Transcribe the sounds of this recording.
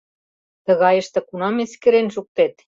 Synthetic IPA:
t̪ə̆ɣɑjə̆ʃt̪ĕkunɑmeskeɾenʒuk̚t̪et̪

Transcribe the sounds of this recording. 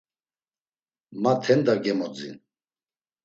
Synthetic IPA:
mat̪ʰɛnd̪aɡɛmɔd͡zḭn

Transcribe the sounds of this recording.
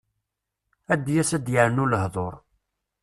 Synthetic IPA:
æd̪ːjæsæd̪jəɾənʊləhðˤoɾˤ

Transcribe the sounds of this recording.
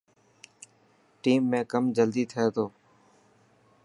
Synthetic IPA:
ʈiːmːẽːkəmd͡ʒəld̪iːt̪ʰəeːt̪ʰoː

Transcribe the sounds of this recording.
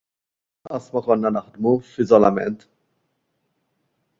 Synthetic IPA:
ʔɐst̪mɐkɔnːɐnɐħd̪mufɪzɔlɐmɛ̰nt̪

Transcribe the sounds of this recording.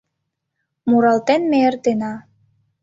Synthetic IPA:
muɾɑlt̪enmeert̪enɑ

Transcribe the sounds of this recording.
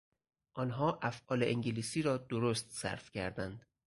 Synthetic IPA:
ʔɒːnɦɒːʔæfʔɒːleʔeŋɟeliːsiːɾɒːd̪oɾoːst̪sæ̰ɾfcʰæ̰ɾd̪ænd̪̥

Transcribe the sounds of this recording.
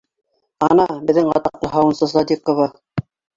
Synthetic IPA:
ɑnɑbɘ̆ðɘŋɢɑ̰t̪ɑqlˠɤɦɑwɤ̆nsɤsɑd̪iqŏvɑ

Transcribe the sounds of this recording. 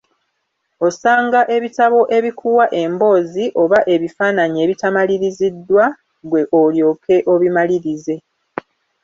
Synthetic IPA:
o̞saːŋɡaʔe̞βitaβo̞ʔe̞βikʰuwaʔe̞mbo̞ːziʔo̞βaʔe̞βifaːnaɲie̞ːβitamaliɾizidːwa | ɡwe̞ʔoljo̞ːkʰe̞ʔo̞βimaliɾize̞

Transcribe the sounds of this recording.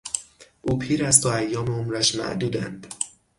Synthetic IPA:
ʔuːpʰiːɾæst̪ʰoæjːɒːmeomɾæʃmæ̰ʔd̪uːd̪ænd̪̥

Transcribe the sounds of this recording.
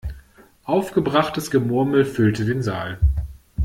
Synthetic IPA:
ʔaʊfɡ̥əbʁaχtəsɡ̥əmʊɐml̩fʏltədeːnzaːl

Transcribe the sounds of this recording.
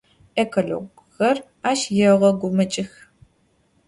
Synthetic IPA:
ʔekʰoɮo̰ɡ | xɐr | aːʃjɛʁɐɡʷʊmɐt͡ʃʼɪx

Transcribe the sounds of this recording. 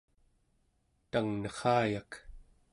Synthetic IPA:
t̪aŋnʌχɑːjak

